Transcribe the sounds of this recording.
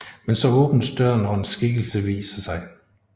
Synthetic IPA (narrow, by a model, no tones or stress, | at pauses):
mensɒ̽ɔ̽ːb̥n̩d̥d̥ɶɐ̰nɒensɡ̥iɡ̥l̩səʋḭːsɐsɑ̈ɪ